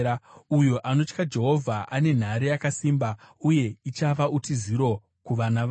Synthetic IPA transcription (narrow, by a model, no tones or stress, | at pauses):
ujo̞ʔano̞t͡ʃkad͡ʒe̞ɦo̞vʱaʔane̞n̤aɾijakasiːmbauje̞it͡ʃaʋaʔutiziɾo̞ | kuʋanaʋa